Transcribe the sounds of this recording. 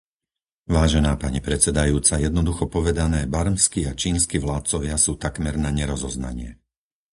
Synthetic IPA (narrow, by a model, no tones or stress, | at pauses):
ʋaːʒɛnaːpaɲipɾɛt͡sɛd̪ajuːt͡sajɛd̪nɔd̪uxɔpɔʋɛd̪anɛːbaɾmskiat͡ʃiːnskiʋlaːt̪̚t͡sɔʋɪasuːt̪akmɛɾnaɲɛɾɔzɔzna̰ɲɪɛ